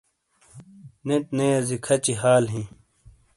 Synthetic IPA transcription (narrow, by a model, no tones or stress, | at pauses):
neʈ̚nejɐzikʰɐt͡ɕiɦaːlɦĩː